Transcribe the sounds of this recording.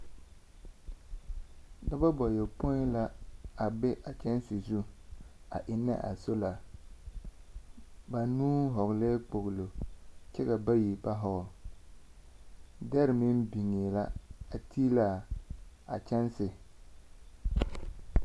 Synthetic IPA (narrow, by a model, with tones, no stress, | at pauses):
da˦ba˦bɔ˨jɛ˨po˦la˦a˨bɛ˦ʔa˨t͡ʃɛ˦n˦sɪ˨zu˦a̰˨ʔɪ˨nːa̰˦ʔa̰˨so˦la˨ | ba˨nuː˦ɦɔ˨ɣle˦k͡po˨ɣlo˨t͡ʃɛ˦ka˨ba˦ji˨ba˦ɦɔ˨ɔ˨ | dɛ˦ɾɪ˨mɪ˦nbi˨ŋe˨la˦a˨tʰi˦la˦˨ | a̰˨t͡ʃɛ˦nsɪ˨